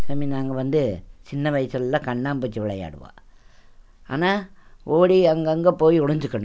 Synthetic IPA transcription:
sɐminaːŋɡɐʋɐnd̪ɯt͡ʃɪnːɐʋɐjsɐlɐlːãːkɐɳːaːmpoːt͡ʃːɯʋɪɭɐja̰ːɽɯʋã̰ː | a̰ːnaːoːɽiɐŋɡɐŋɡɐpoːjiʊɽɐɲd͡ʒɯkːɐɳʊ̃

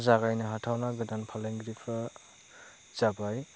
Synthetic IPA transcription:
zaɡajnɯɦatʰawnaɡɯdanpʰalajŋɡɾipʰɯ | z̥abaj

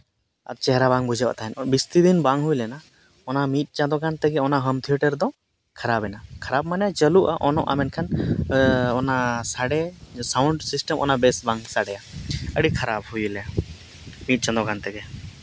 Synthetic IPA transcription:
a̰t̪̚t͡ʃɛɦɾabaŋbud͡ʒəʔa̰t̪aɦɛnbist̪id̪inbaŋɦujlɛna | ɔnamit̪̚ˀt͡ʃãd̪ɔkant̪ɛɡɛɔnaʔɦəmt̪ʰiəʈəɾd̪ɔ | kʰaɾabɛnakʰaɾab̚manɛjat͡ʃəluʔaʔɔnɔʔa̰mɛnkʰan | ɔnasaɽɛsawɳɖsisʈɛmʔɔ̰naʔbɛsbaŋsaɽɛjaəɽikʰaɾab̚hujlɛa | mit̪̚t͡ʃãd̪ɔkant̪ɛɡɛ

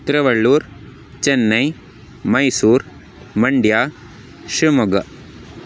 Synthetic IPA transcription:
t̪ɾɐʋɐɭːuːɾ | t͡ʃenːɐj | mɐjsuːɾ | mɐɳɖjaː | ʃimɐɡɐ

